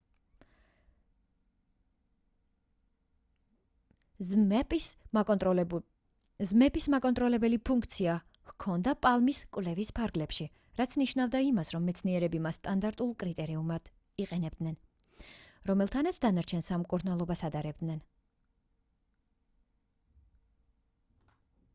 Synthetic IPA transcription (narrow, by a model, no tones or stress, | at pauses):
zmɛpʼismakʼɔnt̪ʼɾɔlɛbɛlipʰuŋkʰt̪sʰia | hkʰɔnd̪apʼalˠmiskʼwvlɛvispʰaɾɡlɛpʃi | ɾat̪sʰniʃnavd̪aimasɾɔmːɛt̪sʰniɛɾɛbimasːt̪ʼand̪aɾt̪ʼulˠkʼɾit̪ʼɛɾiumad̪̥ | iqʼɛnɛb̚d̪nɛn | ɾɔmɛlˠt̪ʰanat̪sʰd̪anaɾt͡ʃʰɛnsamkʼuɾnalˠɔbasad̪aɾɛb̚d̪nɛn